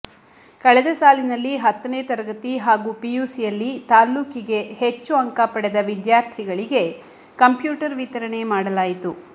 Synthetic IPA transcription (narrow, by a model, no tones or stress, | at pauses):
kɐɭɛd̪ɐsaːlinɐlːiɦɐt̪ːɐneːt̪ɐɾɐɡɐt̪iɦaːɡuːpijuːsijɐlːit̪aːlːuːkiɡe̞het͡ʃːuɐŋkapɐɽed̪ɐʋid̪jaːɾt̪ʰiɡɐɭiɡe̞ | kɐmpjuːʈɐɾʋit̪ɐɾɐɳe̞maːɽɐlaːjit̪u